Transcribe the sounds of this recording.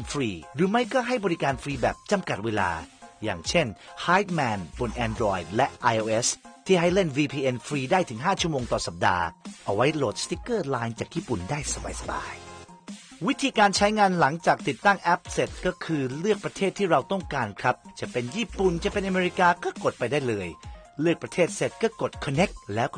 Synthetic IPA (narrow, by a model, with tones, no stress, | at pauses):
fɾiː˧ɾɯː˩˦ma˦˥˩jkɔː˥˩ɦa˥˩jbɔ˧ɾi˦˥kaː˧nfɾiː˧bɛ̰ː˨˩p̚t͡ɕa˧mka˨˩t̪̚weː˧la̰ː˧ja̰ː˨˩ŋt͡ɕʰe˥˩nhaː˦˥jt̪̚mɛː˧nbu˨˧˩nʔɛː˧ndɾɔː˧˩jd̪̚lɛ˦˥ʔʔa˧jʔoː˧ʔe˦˥st̪ʰiː˥˩ɦa˥˩jle˥˩nwiː˧pʰiː˧ʔe˧nfɾiː˧daː˥˩jt̪ʰɯ˩˦ŋɦaː˥˩t͡ɕʰu˥˩əmoː˧ŋt̪ɔː˨˩sa˨˩p̚da̰ː˧ʔa˧wa˦˥jlo˨˩t̪̚st̪i˦˥kːɤː˥˩laː˧˥jnt͡ɕaː˨˩k̚jiː˥˩pu˨˩ndaː˥˩jsa˧ba̰ː˧˩jsa˨˧˩ba̰ː˧j | wi˦˥t̪ʰiː˧kaː˧nt͡ɕʰa˦˥jŋaː˧nla˩˦ŋt͡ɕaː˨˩k̚t̪i˨˩t̪ːa˥˩ŋʔɛ˦˥p̚se˨˩t̪̚kɔː˥˩kʰɯː˧lɯ˥˩ək̚pɾa˧t̪ʰeː˥˩t̪ʰːiː˥˩ɾa˧wt̪ɔ˥˩ŋkaː˧nkʰɾa˦˥p̚t͡ɕa˨˩ʔpe˧njiː˥˩pu˨˩nt͡ɕa˨˩ʔpe˧nʔa˧meː˧ɾi˦˥kaː˧kɔː˥˩ko˨˩t̪̚pa˧jdaː˥˩jlɤː˧j | lɯ˥˩ək̚pɾa˧t̪ʰeː˥˩t̪̚se˨˩t̪̚kɔː˥˩ko˨˩t̪̚kʰɔ˧nːe˦˥k̚lɛː˦˥w